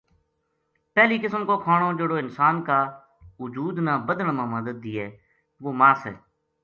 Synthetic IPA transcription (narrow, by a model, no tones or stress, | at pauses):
pɛːliːkɪsəmkoːkʰaːɽ̃õːd͡ʒeːɽoːɪnsaːnkaː | ʊd͡ʒuːd̪nãːbəd̪ənmãːməd̪əd̪̚ːiːɛː | ʋoːmaːsɦɛ̰ː